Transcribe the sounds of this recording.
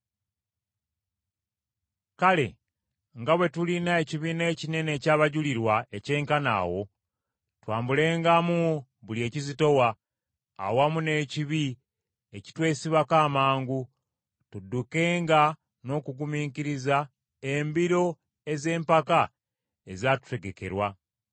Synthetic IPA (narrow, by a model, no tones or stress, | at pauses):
kale̞̰ | ŋɡaβwe̞tulinae̞ciβine̞ːcine̞ne̞ːcaːβaɟuliɾwae̞ce̞ːŋkana̰ːwo̞ | twaːmbule̞ːŋɡamu | βulie̞ːcizito̞wa̰ː | wamune̞ːciβi | eci̥twe̞ːsiβakaːmaːŋɡu | tudːuke̞ːŋɡa | no̞ːkuɡumiːkiɾiza | embiɾo̞ | e̞ze̞ːmpaka | ezatu̥te̞ɡe̞ke̞ɾwa